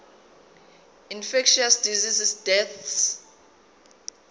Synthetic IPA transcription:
infɛkʃiasdizisisdɛθs

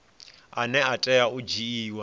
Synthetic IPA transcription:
anɛatʼɛaud͡ʒiiːwa

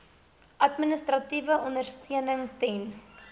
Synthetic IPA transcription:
ʔɐtminəstrɐtivəʔɔnərstʰiənəŋtɛn

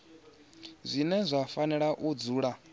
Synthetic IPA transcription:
zʷinɛzʷafanɛɺaʔud͡zuːɺa

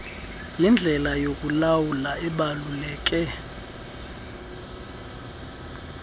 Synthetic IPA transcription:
jind͡ɮʱɛlajokʼulawulaɛɓalulɛːk̬ʼɛ

